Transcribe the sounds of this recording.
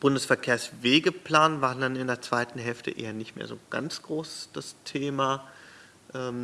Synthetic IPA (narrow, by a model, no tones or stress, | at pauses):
b̥ʊndəsfɛɐkʰeːɐsveːɡəpl̥aːnvaːʁndanɪndeːɐt͡sv̥aɪtn̩ɦɛlftə̰ʔḛːɐnɪçtmḛːɐzoːɡ̥a̰nt͡sɡ̥ʁoːsd̥astʰeːma | ʔɛːm